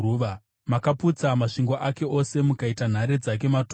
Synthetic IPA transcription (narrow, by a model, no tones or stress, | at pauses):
ʋa | makaput͡samaʂiŋɡo̞ʔake̞o̞se̞mukaitan̤aɾe̞d͡zak̬e̞mat